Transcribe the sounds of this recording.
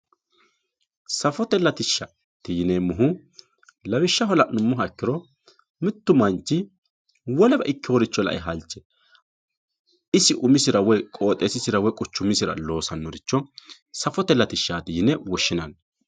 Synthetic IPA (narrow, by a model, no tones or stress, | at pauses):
sɐfɔt̪ɛlːɐt̪ɪʃːɐ | t̪ɪjɪnɛmʊɦʊ | lɐbɪʃːɐɦɔlɐnʊmːʊɦɐkːɪɾɔ | mɪt̪ːʊmɐnt͡ʃːɪ | wɔlɛbɐ̰ʔɪkːɪwɔɾɪt͡ʃːɔlɐ̰ʔɛ̰ɦɐlt͡ʃːɛ | ɪsɪʔʊmɪsɪɾɐwɔjkʼo̞ːt̪ʼeːsɪsɪɾɐwɔjkʼʊt͡ʃːʊmːɪsɪɾɐ̰lo̞ːsɐnːɔɾɪt͡ʃːɔ | sɐfɔt̪ɛlːɐt̪ɪʃːaːt̪ɪjɪnɛwɔʃːɪnɐn